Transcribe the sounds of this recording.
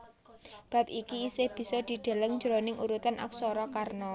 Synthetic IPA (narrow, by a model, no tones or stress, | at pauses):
b̥a̤p̚ikiːsɪhb̥i̤sɔd̪̥i̤ɖ̪̥a̤ləŋɲd͡ʒɾonɪŋuɾut̪anʔa̰k̚sɔɾɔkarnɔ